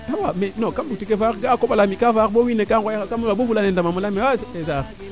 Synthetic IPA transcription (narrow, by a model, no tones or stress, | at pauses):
awamenokambutikevaːkɡakoɓalamikafaɓowinekaojaakamwaɓovulanendamamulamewaseza